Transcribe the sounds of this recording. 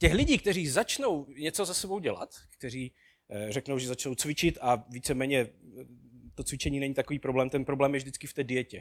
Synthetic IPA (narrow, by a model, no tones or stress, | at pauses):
cɛxlɪɟiːk̚t̪ɛriːzat͡ʃno̞wɲɛt͡so̞zasɛbo̞wɟɛla̰t̪kt̪ɛriː | rɛknowʒɛzat͡ʃno̞wt͡svɪt͡ʃɪt̪aviːt͡sɛmɛːɲɛ | t̪o̞t͡svɪt͡ʃɛɲiːnɛɲit̪akoviːpɾoblɛːmt̪ɛnpɾoblɛːmjɛvʒdɪt͡skɪft̪ɛːdɪjɛcɛ